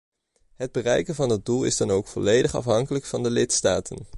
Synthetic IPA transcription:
ɦəd̚bərɛjkənvɑndɑd̚dulˠɪ̰zdɑnowkfɔlejdəχɑ̰fɦɑŋkələkfɑndəlɪtstaːtʰən

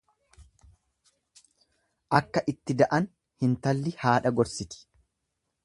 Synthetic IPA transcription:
ʔɐkːɐʔɪt̪ːɪd̪ɐʔɐn | hɪnt̪ɐlːɪhaːᶑɐɡɔɾsɪt̪ɪ̥

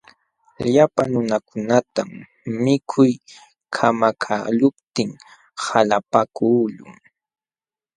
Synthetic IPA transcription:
ʎapaŋnʊnakʊnat̪am | mɪkʰʊj | kʰamakʰa̰lʊp̚t̪ɪŋ | halapakuːʎʊ̰ŋ

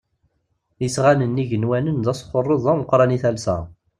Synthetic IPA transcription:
jəsʁanənːiʝənwænənðæsˤχorˤːoðˤæməqɾˤɑniθælsæ̰

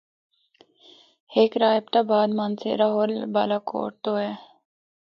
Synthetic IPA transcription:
heːkɾaːjb̚t̪abaːd̪maːnsḛɾaːɦoːlbaːlako̰ːʈ̚t̪oːɦɛː

